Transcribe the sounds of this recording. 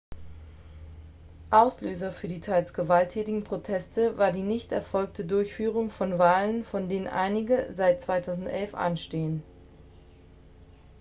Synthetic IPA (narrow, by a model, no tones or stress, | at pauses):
ʔaʊsløːzɐfyːɐdiːtʰaɪlsɡ̥əvaltʰːɛːtɪɡŋ̩pʁ̥otʰɛstəvaːɐdiːnɪçtɛɐfɔlk̚tʰədʊɐçfyːʁ̞ʊŋfɔnvaːlənfɔndeːnənʔa̰ɪnɪɡəzaɪt̚t͡sv̥aɪtʰaʊzn̩tʔɛlfʔa̰nʃteːən